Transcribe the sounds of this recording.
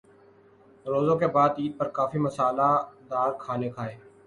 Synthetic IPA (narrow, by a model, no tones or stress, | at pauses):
ɾoːzõːkebaːd̪iːt̪̚pəɾkaːfiːməsaːlaːd̪aːɾkʰaːneːkʰaːeː